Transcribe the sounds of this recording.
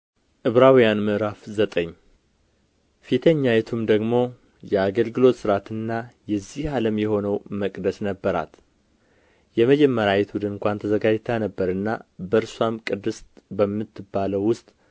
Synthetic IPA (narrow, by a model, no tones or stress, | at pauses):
ʔɨβɾawijanmɨʔɾafzət̪ʼəɲː | fit̪ʰəɲːajɛt̪ʰumd̪əɡmo̞ | jɛaɡəlɡɨlo̞t̪sɨɾat̪ʰɨnːajɛzːihaləmjɛho̞nəwməkʼd̪əsnəbːəɾa̰t̪ | jɛməd͡ʒɛmːəɾajɛt̪wʊd̪ɨnɨŋkʷant̪ʰəzəɡad͡ʒt̪ʰanəbːəɾɨnːabəɾswamkʼɨd̪ːɨst̪bəmːɨt̪ʰːɨbːaləwːʊst̪ʼ